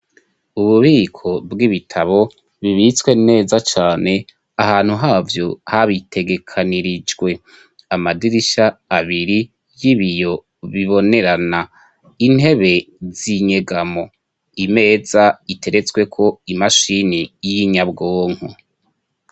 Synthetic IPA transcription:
uβuβiːkʰo̞bɡiβitʰaβo̞ | βiβit͡swe̞ne̞ːzat͡ʃaːne̞ | aɦaːn̥huɦaːvjo̞haβitʰe̞ɡe̞kʰaniɾid͡ʒɡwe̞ | amadiɾiʃaːβiɾi | jiβijo̞ | βiβo̞ne̞ɾana | in̥he̞βe̞ | ziɲe̞ɡamo̞ | ime̞ːzaitʰe̞ɾe̞t͡swe̞kʰo̞imaʃinijiɲabɡoːŋ̥hu

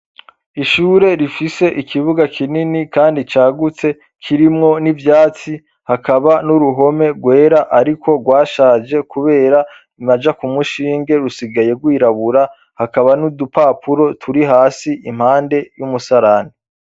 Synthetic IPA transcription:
iʃuːɾe̞ɾifise̞ʔikʰiβuɡakʰininikaːndit͡ʃaːɡut͡se̞ | kʰiɾimŋo̞nivjaːt͡si | hakaβanuɾuɦo̞me̞ɾɡwe̞ːɾaʔaɾikʰo̞ɡwaːʃaːd͡ʒe̞kuβe̞ːɾa | imad͡ʒakumuʃiːŋɡe̞ɾusiɡaje̞ɡwiːɾaβuɾa | hakaβanudupaːpʰuɾo̞tʰuɾiɦaːsiim̥haːnde̞jumusaɾani

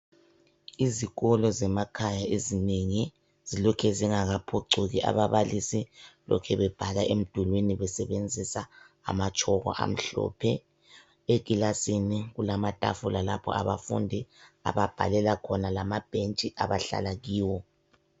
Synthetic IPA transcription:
iziɣɔlɔzɛmakʰajaezineŋi | z̥ilɔkʰɛziŋaɣapʰoǀʱuɣiʔa̰βaβalisilɔ̰kʰɛβɛb̥ʱalaʔem̩d̥ʱulweniβɛsɛβend͡zʱisa̰ː | mat͡ʃʰʼɔɣɔ̰ʔa̰m̩ɬɔ̰ːpʰɛ | eɣ̬ʼilasiniɣulamatʼa̰fulalapʰɔ̰aβafṵndʱia̰βab̥ʱa̰lɛlakʰɔnalamab̥ʱent͡ʃʼiʔa̰βaɬa̰laɣiːwɔ

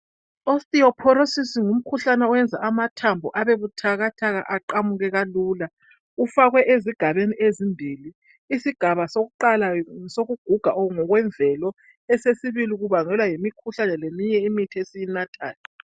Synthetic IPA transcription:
ostʼiɔpʰɔɾosisiŋum̩kʰuɬanɛɔwɛnd͡zʱaʔamatʰambʱɔʔaβeβutʰaɣatʰaɣaʔaǃamuɣɛɣaluːla | ufaɣwɛʔeziɡ̥ʱaβeniezimbʱiːliː | siɡ̥ʱaβasoɣuǃalasoɣuɡ̥ʱuɡ̥ʱaʔɔŋɔɣwɛɱvʱɛlɔ | ɛsesiβiliɣuβaŋɛlwajimikʰuɬanɛlemiɲɛimitʰiesijinatʰʼa̰ːla

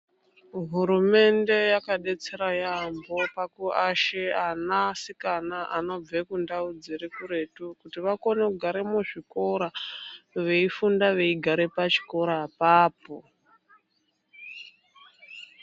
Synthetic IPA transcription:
ɦuɾume̞nde̞jakaɗe̞t͡se̞ɾajambo̞pakuaʃeanasikanaʔano̞b͡vekundaud͡zeɾekuɾe̞tukutiʋakonekuɡʱaɾemuʐiko̞ɾa | ʋe̞ifundaʋe̞iɡʱaɾepat͡ʃi̥ko̞ɾapaːpo

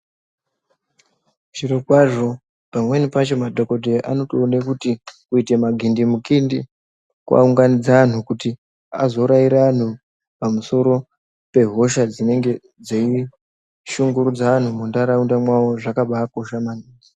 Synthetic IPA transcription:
ʐ̥iɾokwaʐo̞ | pamwe̞nipat͡ʃo̞madʱoko̞dʱeʔano̞toːne̞kutikuite̞maɡʱindimukindi | kwa̰uŋɡanid͡zaan̤ukuti | a̰zo̞ɾaiɾaan̤u | pamuso̞ɾo̞ | pe̞ɦo̞ʃad͡zine̞ŋɡe̞ | d͡zei | ʃuŋɡuɾud͡zaʋan̤umundaɾaundamwawo̞ʐakaɓaːko̞ʃamaniːni

